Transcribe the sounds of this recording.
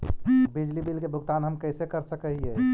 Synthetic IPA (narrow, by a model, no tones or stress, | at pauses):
bid͡ʒlibilkebʱʊɡt̪aːnɦəmkəɪsekəɾsəkəɦiɦɛ